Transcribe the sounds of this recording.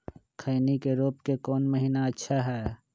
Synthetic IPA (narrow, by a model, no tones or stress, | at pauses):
kʰəɪnikeɾoːpkekɔːnməɦiːnaɐtːʃʰaɦɛː